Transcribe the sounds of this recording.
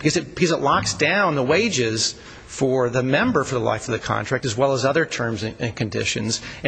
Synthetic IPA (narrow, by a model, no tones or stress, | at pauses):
b̥ɨkʰʌzɨt̚b̥ɨkʰʌzɨʔˡlɑksd̥ãʊ̃nðəweɪd͡ʒɪz̥ | fə˞ðɨmɛ̃mbə˞fə˞ðəla̰ɪfʌvðɨkʰɑ̰̃ntʰɹ̥æk̚tɨzwɛlˠəzʌðə˞tʰɜ̃˞mzɨ̃ɨ̃nkʰɨ̃ndɪ̰ʃɨ̰̃nz